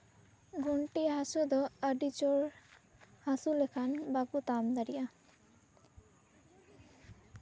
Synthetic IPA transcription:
ɡʱoɳʈiɦasod̪ɔaɖit͡ɕoɾ | hasulekʰanbakut̪amd̪aɾija

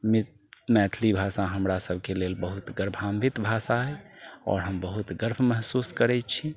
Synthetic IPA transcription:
mit | mɛt̪ʰlibʱasaɦəmɾasəb̚ʱkelelbəɦut̪ɡəɾbʱambit̪bʱasaɦɛɔ̰ːɾɦəmbəɦut̪ɡəɾbʰʱməɦsuskəɾɛt͡ʃʰi

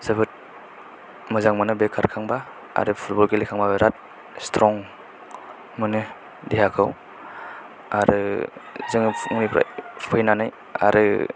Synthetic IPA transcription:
sɯbʰɯt̚ | mɯzaŋmɯnɯbekʰːaɾkʰaŋba | a̰ɾɯpʰut̚bɔlɡelikʰaŋbaɾat̚ | stʰɾɔŋ | mɯnɯ | diɦakʰɯw | aɾɯzɯŋŋnipɾa̰pʰɯjnanaj | a̰ɾɯ

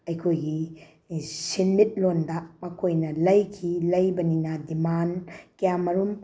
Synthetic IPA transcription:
ɐjkʰojɡi | sinmit̚londɐmɐkʰojnɐlɐjkʰilɐjbɐninɐdimankɐjamɐɾum

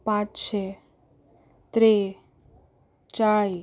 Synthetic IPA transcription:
pãt͡ʃt͡ʃʰe | t̪ɾe | t͡ʃai

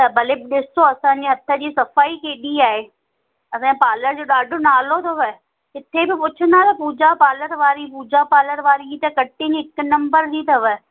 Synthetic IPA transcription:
t̪ɐbʱɐlebɪɗɪsoɐsãːɲd͡ʑiɦɐt̪ʰə̆d͡ʑiːsɐfaːikeːɗiaːɦeː | ɐsãpaːləɾd͡ʑoːɗaːɖʱonaːlot̪ʰɐʋə | ɦɪt̪ʰebɪpʊt͡ɕʰə̃nd̪at̪ɐpuːd͡ʑapaːləɾʋaːɾipuːd͡ʑapaːləɾʋaːɾiit̪ɐkɐʈɪ̃nɦɪknɐ̃mbəɾd͡ʑiːt̪ʰɐʋə

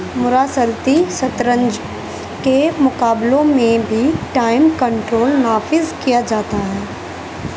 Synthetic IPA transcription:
mʊɾaːsəlt̪isɐt̪ɾə̃ɲd͡ʒ | kemʊkaːblõmẽbʱiʈaːɪmkə̃ɳʈɾoːlnaːfɪzkijad͡ʒaːt̪aɦɛː

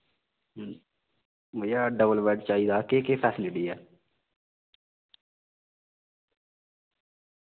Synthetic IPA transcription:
ʋəjaːɖəbəlʋɛːɖt͡ʃaːiːd̪aːkeːkeːpʰɛːslɪɖiːɛː

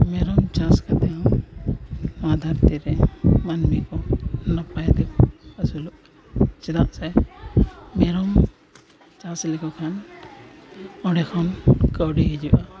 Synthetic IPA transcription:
mɛɾɔmt͡ʃãskat̪ɛjã | mad̪ʱaɾt̪iɾɛmanmikɔnɔpajad̪ɛkəsuluʔ | t͡ʃɛdaʔsɛ | mɛɾɔm | t͡ʃãslɛkɔkʰan | ɔɖɛkʰɔnkəwɖiɦɛd͡ʒuʔa

